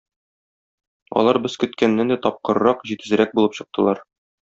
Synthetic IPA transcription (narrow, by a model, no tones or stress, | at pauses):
ɒ̰lˠɑɾbɘz̥kɵ̆t̪kænːænd̪æt̪ɒp̚qɤ̆ɾɤ̆ɾɑqʑit̪ɘ̆zɘ̆ɾæk̚bulˠɤpɕɤ̆q̚t̪ʰɤ̆lˠɑɾ